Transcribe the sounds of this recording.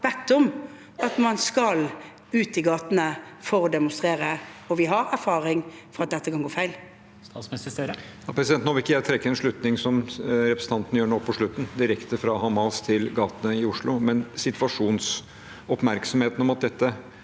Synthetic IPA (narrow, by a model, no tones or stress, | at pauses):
ʋɛt̪ːɔm | ɑt̪mɑnskɑl | ʉːt̪ɪɡɑːt̪nəfɔɾɔd̪ɛmʊnst̪ʁeːɾəɔʋɪɦɑɾæɾfɑːʁɪŋfɔɾɑt̪̚d̪ɛt̪ːəkʰɑnɡoːfæɪl | ssəjɑpʰɾɛsɪd̪ɛnt̪nɔʋɪkːəjæɪt̪ʰɾɛkːəɛnʂɭʉt̪nɪŋsɔmɾɛpɾəsəɑnt̪ən̩jøːɳopʰːɔʂɭʉt̪ːn̩d̪ɪɾɛkt̪əfɾɑhɑmɑst̪ʰɪlɡɑːt̪ənəɪʊʂɭʊmɛnsɪt̪ʋɑʂuːns | ɔpmæɾksɔmheːt̪nɔmɑt̪̚d̪ɛt̪ːə